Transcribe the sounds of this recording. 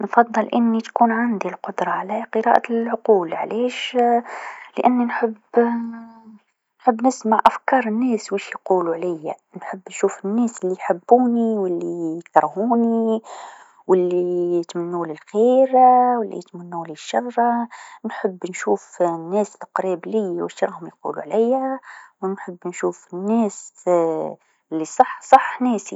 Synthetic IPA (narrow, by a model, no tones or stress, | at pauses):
nfɑðˤːɨlʔɪnːit̪kuːnʕand̪ilqʊd̪ɾˤɑʕalæqəɾɑ̰ːʔaʕʊquːlʕleːʃ | ləʔanːinħəb | nħəbːnɪsmaʕʔafkɑːɾˤənːɛːswiʃijquːluʕlɪjːanħəbːnʃuːfɪnːɛːsɪlːijħɪbːuːniwɪlːijkt̪ɑɾˤhuːni | wɪlːit̪mɪnːulilxeːɾawəlːḭt̪mɪnːuːliʃːɑɣɾˤɑnħəbːnʃuːfnːæːslqɾiːbliːwəʃɾˤɑhʊmjqṵːlṵʕlæjːawənħəbːnʃuːfnːæːs | ɪlːisˤɑħsˤɑħnɛːsi